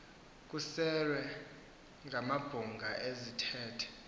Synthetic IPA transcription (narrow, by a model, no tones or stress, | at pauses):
k̬ʼusɛlwɛ | ŋɡʱamab̥ʱuŋɡʱaʔezitʰɛːtʰɛ̥